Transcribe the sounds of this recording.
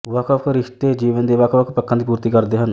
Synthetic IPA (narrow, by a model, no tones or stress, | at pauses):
ʋaːkʰəkɾɪʃt̪eːd͡ʒiːʋənd̪eːʋakʰʋakʰpəkʰːə̃nd̪iːp̬uːɾt̪iːkəɾd̪eːɦən